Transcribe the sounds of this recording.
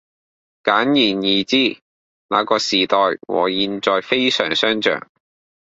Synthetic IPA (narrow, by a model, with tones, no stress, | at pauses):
kaː˨˥njiː˨˩njiː˨˩t͡siː˥ | na̰ː˨˧kɔː˧siː˨˩t̪ɔː˨˧jwɔ̰ː˨˩jiː˧nt͡sɔː˨˧jfe˥jsœ̰ː˨˩ŋsœː˥ŋt͡ʃœ̰ː˨˩ŋ